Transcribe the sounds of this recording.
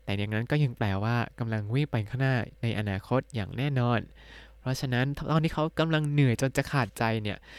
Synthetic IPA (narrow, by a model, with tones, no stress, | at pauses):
t̪ɛː˨˩ja˨˩ŋna˦˥nkɔː˥˩ja˧ŋplɛː˧waː˥˩ka˧mla˧ŋwi˥˩ŋpa˧jnkʰa˥˩naː˧˥˩na˧jʔa̰˧naː˧kʰo˦˥t̪̚jaː˨˩ŋnɛː˥˩nɔː˧n | pʰɾɔ˦˥t͡ɕʰa˧na˦˥nt̪ʰt̪ɔː˧nt̪ʰiː˥˩kʰa˦˥wka˧mla˧ŋnɯ˨˩˦jt͡ɕo˧nt͡ɕa˨˩kʰaː˨˩t̪̚t͡ɕa˧jni˥˩ɐ